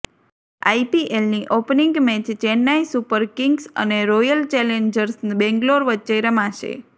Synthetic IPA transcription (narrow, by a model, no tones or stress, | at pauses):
a̰jpiʔelniʔopniŋɡmet͡ʃt͡ʃɛnːaisupəɾkiŋɡsə̰neɾojəlt͡ʃɛleɲd͡ʒəɾsbɛ̃ŋɡloɾʋəːt͡ʃeɾəmãʃḛ